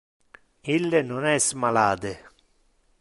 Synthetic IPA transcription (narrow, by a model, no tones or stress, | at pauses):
ilːenonɛsmalaːd̪ɪ